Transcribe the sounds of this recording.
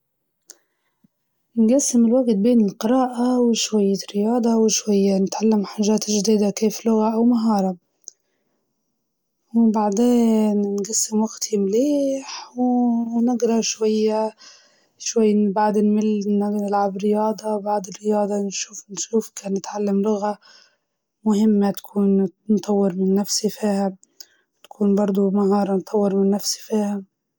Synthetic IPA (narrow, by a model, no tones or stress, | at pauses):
nɡasːɪmɪlwaɡt̪̚beːnɪlqɨɾˤɑːʔawɪʃwajːaɾɪjɑːd̪ˤɑwɪʃwajːanɪt̪ʕalːamħaʒːaːt̪ʒd̪iːd̪akeːflʊɣaʔawmaɦɑːɾˤɑ | wbaʕd̪eːnnɡasːɪmwaɡt̪himleːħwnɪɡɾˤɑʃwajːa | ʃwajːbaʕd̪ɪnmɪlnanɪlʕabɾɪjɑːd̪ˤɑbaʕd̪ɪrːɪjɑːd̪ˤɑnʃuːfnʃuːfkaːnːɪt̪ʕalːamlʊɣa | mʊhɪmːat̪ḁkʰuːnnt̪ˤɑwːɪɾmɪnːafsifiːha | t̪ḁkʰuːnbɑɾˤd̪ˤumaɦɑːɾˤɑnt̪ʰˤːɑwːɪɾmɪnːafsi̥fiːha